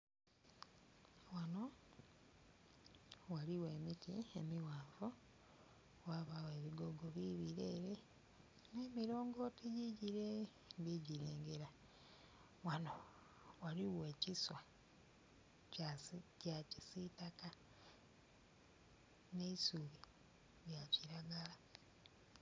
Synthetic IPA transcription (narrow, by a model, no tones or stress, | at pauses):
wano̞ | waliwe̞ːmitiemiwaːɱvo | waβawe̞βiɡoɡoβiβiɾeːɾe | ne̞ːmiɾo̞ːŋɡo̞tiɟiɟiɾe | biɟiɾeːŋɡeɾa | wano | waliwe̞ːciswa | acacisitaka | ne̞isuβi | βjaciɾaɡala